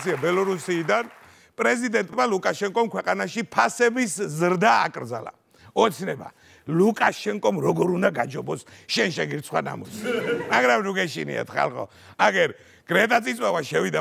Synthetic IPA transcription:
sʰiabɛlɔɾusiːd̪an | pʼɾɛzid̪ɛnt̪ʼmalukʼaʃɛŋkʼɔmkʰwɛqʼanaʃipʰasɛbiszɾd̪a̰ːkʼɾd̪za̰la̰ | ɔt̪sʰnɛba̰ | lukʼaʃɛŋkʼɔmɾɔɡɔɾund̪aɡad͡ʒɔbɔsʃɛnʃɛɡiɾt̪sʰχwana̰mɔsmaɡɾamɾuɡɛʃḭnḭa̰t̪ʰχa̰lˠχɔ̰ | aɡɛɾ | ɡ̥ɾɛt̪ʼat̪sʼit̪sʼwavaʃɛvid̪a

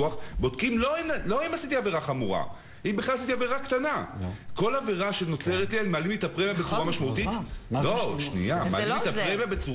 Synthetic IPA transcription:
uaχbo̞dkimlo̞inlo̞imasit̪iaveʁaχamuʁa̰ | imbeχlalasit̪̬iaveʁakt̪anako̞laveʁaʃeno̞t͡se̞ʁet̪leenmaːlimet̪apʁemjabet͡suʁamaʃmaut̪it̪loʃnḭamḛːlimet̪apʁemabet͡su

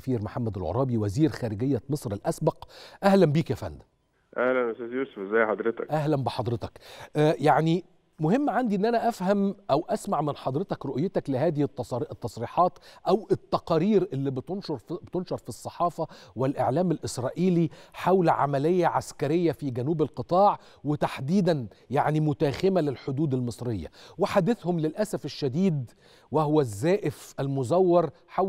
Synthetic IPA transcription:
fiːɾmoħamːæd̪ælʕo̰ɾˤɑːbiwæziːɾxæːɾɪɡejːæmesˤɾælʔæsbɑqʔæhlæmbiːkjæfæ̰nd̪æ | ʔæhlænʔst̪æːzjuːsofʔezæjːħɑd̪ɾet̪ækʔæɦlæmbɪħɑd̪ˤɾet̪ɑkʔjaʕni | mʊhemːʕand̪iʔenːʔænæʔæfhæmʔæwʔæsmaʕmɪnħɑd̪ˤɾet̪ɑkɾoʔjːet̪æklɪhæːðɪhɪt̪ːʔt̪ːɑsˤɾiːħɑːt̪ʔæwɪt̪ːɑqɑːɾiːɾʔɪlːibnʃɾt̪onʃɑɾˤfisˤːɑħɑːfɑwɪlʔḛʕlæːmælʔɪsɾˤɑ̰ːʔiːliħawlʕa̰mælejːæʕa̰skæɾejːæfiːɡænuːbælqɨt̪ˤɑːʕ | wet̪aħd̪iːd̪ænjaʕnimʊt̪æːxɪmælelħod̪uːd̪ælmɨsˤɾejːæ̰weħad̪eθhʊmlelʔæsæfeʃːæd̪iːd̪ | wehowæzːæːʔɪfʔælmʊzæwːɑɾˤ | ħa

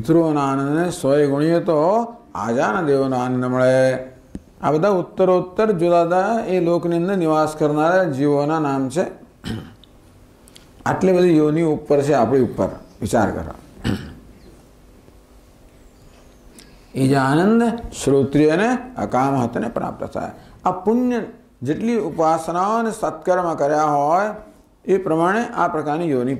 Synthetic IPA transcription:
ɦɪt̪ɾuonaːnə̃nd̪nesʋəjɡʊɽ̃ijet̪oa̰ːd͡ʒaːnɐd̪eːʋnoaːnə̃nd̪əməɭe | a̰bəd̪ʱaʊt̪ːəɾoːt̪ːəɾd͡ʒud̪aːt̪aeloːkniə̃nd̪əɾnɪʋaːskəɾnaːɾad͡ʒiʋoːnanaːmt͡ʃʰe | ə̰ʈlebəd̪ʱijoːniupːəɾt͡ʃʰeapɽiupːə̰ɾʋɪt͡ʃa̰ːɾkə̰ɾo̰ | ed͡ʒaːnə̃nd̪ʃɾoːt̪ɾijəneə̰kaːmɦət̪nepɾa̰ːp̚t̪ə̰t̪ʰa̰ːjapʊnjə | d͡ʒeʈliʊpaːsənaonesət̪kəɾmãkəɾjaɦɔːj | epɾəmaːɽ̃eʔapɾɐkaːɾnijoːni

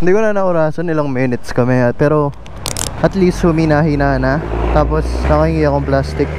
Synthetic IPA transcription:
hɪnd̪iːkonɐnɐʔʊɾaːsɐnɪlɐŋmɛnɪt̪skɐmɛpɛːɾo̞ | ʔɐt̪liːst̪hʊminahinaːnɐt̪aːposnɐkɐhiŋiɐkoŋplast̪ɪk̚

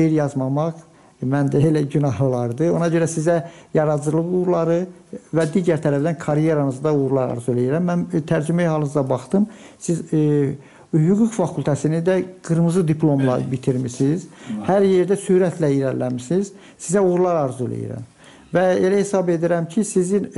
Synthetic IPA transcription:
eɾjɑzmɑmɑʁ | mænd̪æelæɟynɑɦlulˠɑɾd̪ɯo̞nɑɟø̞ɾæsizæjɑɾɑzɯlˠɯɣuɣuɾlˠɑɾɯvæd̪iːɟæɾt̪ʰæɾæfd̪ænkʰɑɾje̞ɾɑnɯzd̪ɑuɣuɾulˠɑɾɑ̰ɾzuølæjiɾæmːænt̪ʰæɾd͡ʒymæjhɑlˠɯnɯzɑbɑχt̪ɯm | siz | hyɡuɡfɑkʰulʲt̪ʰæsinid̪æɡ̥ɯɾmɯzɯd̪ipʰlˠo̞mlˠɑbit̪ʰiɾmisiz̥hæɾje̞ɾd̪æsyɾæt̪ʰlæiɾællːæmisiz̥ | sizæuɣuɾlˠɑɾɑɾzølḛjḭɾæ̰m | væe̞læhe̞sɑbe̞d̪iɾæmcʰisizin

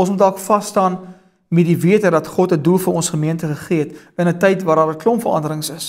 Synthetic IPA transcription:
ɔnsmut̚dælˠkfɐstɑːn | mɛdiviətərdɐtχɔtədulˠfəɾɔnsχəmiəntəχəχiətənətɛjtvɑːɾɑːɾdəklɔmfəɾɐ̰ndəɾəŋsəs

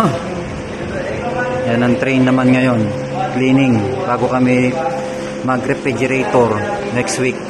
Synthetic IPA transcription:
janɐŋt̪ɾɛjnːɐmanŋɐjo̞n | kliːnɪŋbaːɡokɐmɪ | mɐɡɾɛfɛd͡ʒɛɾejt̪oɾnɛkst̪wik̚

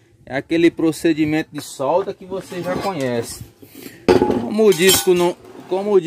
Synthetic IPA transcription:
ɛ̰akelɪpɾosed͡ʒimẽnt̪ʊd̪ɪsɔwd̪ɐkɪvoseʒãkõɲɛsẽ̥ | kõmʊːd͡ʒiskʊnɐ̃kõmʊːd͡ʒ

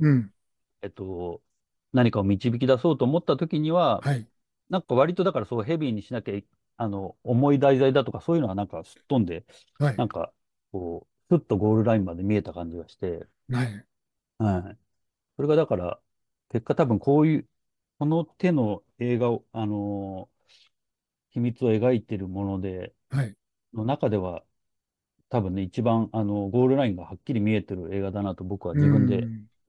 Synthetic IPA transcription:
e̞t̪ːo̞ | naɲ̟ikao̞mʲit͡ɕibʲik̬ʲid̪aso̞ːt̪oːmot̪ːat̪o̞kʲiɲ̟iβaa | nãŋkaβ̞aɾʲit̪od̪akaɾasoːɦe̞bʲiɲ̟ːiɕinakei | ano̞ːmo̞id̪aizaid̪at̪o̞kaso̞ːjɯ̟ːnoɡanãŋkasɨ̥t̪ːõ̞nd̪e̞ | nãŋka̰ | ko̞ː | sɨt̪ːo̞ɡo̞ːɾɯ̟ɾaĩmmad̪e̞mʲie̞t̪akãɲ̟d͡ʑiɡaɕi̥t̪e̞ | a | hai | so̞ɾe̞ɡad̪akaɾa̰ | ke̞kːat̪abɯ̟̃ŋkʰo̞ːjɯ̟ː | ko̞no̞t̪e̞no̞ | e̞ːɡaoano̞ | çimʲit͡sɨo̞e̞ɡait̪e̞ɾɯ̟mo̞no̞d̪e̞ | ha | no̞nakad̪e̞β̞a | t̪abɯ̟̃nːe̞it͡ɕibãɴano̞ɡo̞ːɾɯ̟ɾaĩŋɡahakʲːiɾʲimʲie̞t̪e̞ɾɯ̟e̞ːɡad̪anat̪o̞bo̞kɯ̟β̞ad͡ʑibɯ̟̃nd̪e̞

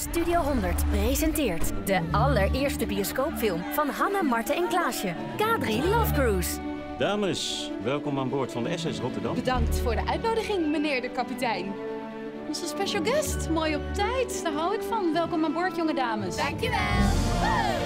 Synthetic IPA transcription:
stydiowɦɔndəɹtprezɛntɪːɹtdəʔɑləɹʔɪːɹstəbioskowpfɪlˠmv̥ɑnɦɑnəmɑɹtaɛnklaːʃə | kaːdrilɔfɡruːs | d̥aːməs | ʋɛlˠkɔmaːnbʊːɹtfɑndəɛsɛsrɔtəɹdɑ̰mbədɑŋk̚tfʊːɹdəʔœɥtnowdəχɪŋmənɪːɹdəkɑpitɛjn | ɔnzəspeʃalˠɡɛstmoːjɔp̚tɛjtd̥aːɹɦɑwɪkfɑnʋɛlˠkɔmaːnbʊːɹtjɔŋədaːməsŋkjɛl

